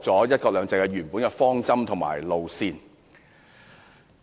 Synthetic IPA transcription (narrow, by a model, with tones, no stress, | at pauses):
t͡sɔː˨˥jɐ˥t̚kɔː˧k̚lœː˨˧ŋt͡sɐ˧kɛː˧ɥyː˨˩npuː˨˥nkɛ˧fɔː˥ŋt͡sɐ˥mt̪ʰʊ˨˩ŋma̰ː˨˩jlo˨˧wsiː˧n